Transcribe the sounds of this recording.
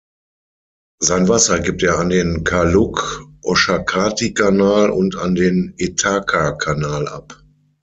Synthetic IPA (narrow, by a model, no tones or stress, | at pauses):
zaɪnvasɐɡip̚teːɐandeːnkʰalʊkʔɔʃakʰaːtikanaːlʊ̰nta̰ndeːnetʰaːkʰakʰanaːlʔa̰p